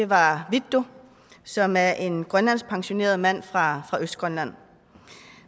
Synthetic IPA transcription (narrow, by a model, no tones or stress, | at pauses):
e̝ʋɑ̈ʋi̥o̝ | sɒ̽mæɐʔe̝nɡ̥ʁɶnlæn̰spʰɑ̈ŋɕo̝ne̝̰ːɐð̞̩ˠmæn̰fʁɑ̈fʁɑ̈ʔøsd̥ɡ̥ʁɶnlæn̰